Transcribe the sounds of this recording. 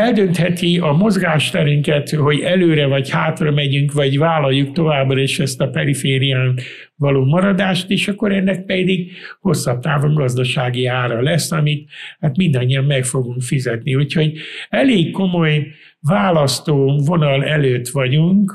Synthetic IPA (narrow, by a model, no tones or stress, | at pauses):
ɛld̪ø̞nt̪hɛt̪iɒmo̞zɡaːʃt̪ɛɾyŋkɛt̪ho̞ɟɛløːɾɛvɒchaːt̪rɒmɛɟyŋkʋɒɟvaːlɒjːukt̪o̞vaːbrɒeːʃɛst̪ɒpɛɾifeːɾijaːnt̪ | vɒloːmɒɾɒd̪aːʃt̪eːʃɒkːo̞ɾɛnːɛk̚pɛd̪iɡho̞sːɒp̚t̪aːvo̞ŋɡɒzd̪ɒʃaːɡiaːɾɒlɛsːɒmit̪haːt̪mind̪ɒɲːiɒmːɛkfo̞ɡuŋkfizɛt̪niucho̞ɟɛleːkːo̞mo̞j | vaːlɒst̪oːvo̞nɒlɛløːt̪ʋɒɟuŋk